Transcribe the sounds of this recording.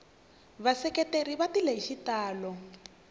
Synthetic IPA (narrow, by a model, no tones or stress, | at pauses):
βasɛkɛteɾiβatileɦiʃitaːlɔ